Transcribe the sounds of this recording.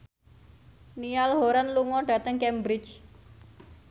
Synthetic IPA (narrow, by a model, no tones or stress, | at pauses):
nijalɦoɾanluŋɔɖ̥ä̤t̪əŋkɛmbɾɪt͡ʃ